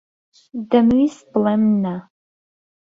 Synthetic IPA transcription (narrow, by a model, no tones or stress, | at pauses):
dɐmisblɐmna